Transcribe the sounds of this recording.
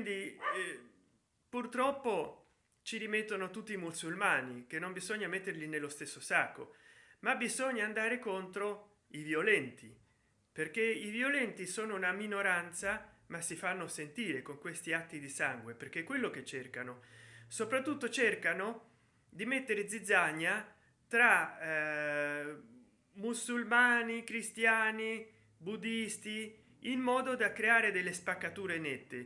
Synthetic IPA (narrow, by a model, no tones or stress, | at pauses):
ind̪i | purt̪ɾɔpːo | t͡ʃiɾimet̪ːonot̪ut̪ːiːmusulmaːnik̟enːombizoɲːamet̪ːerlinelːost̪esːosakːo̰mabizɔɲːaːnd̪aːɾekont̪ɾo | ivjolɛnt̪ʰi | perk̟eivjolɛnt̪isoːnounaminoɾant̪samasifanːosent̪iːɾekoŋkwest̪iat̪ːid̪isaŋɡweperk̟ekːwelːoket͡ʃːerkanosopɾat̪ːut̪ːot͡ʃerkano | d̪imet̪ːeɾed̪zid̪zːaɲːa | t̪ɾa | musulmaːnikɾist̪jaːni | bud̪ist̪i | imːɔːd̪od̪akɾeaːɾed̪elːespakːat̪uːɾenɛt̪ːe